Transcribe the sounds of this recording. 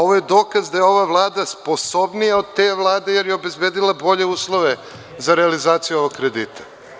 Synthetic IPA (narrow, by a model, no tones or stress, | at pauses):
o̞ʋojed̪o̞ːkazd̪ajeo̞ʋaʋlˠaːd̪aspo̞so̞bnijao̞d̪̚t̪e̞ʋlˠaːd̪e̞je̞ɾjeobe̞zbeːd̪ilˠabo̞ʎe̞uːslˠo̞ʋe | zaɾealizaːt̪sijuo̞ʋokkɾe̞d̪ḭːt̪ʰḁ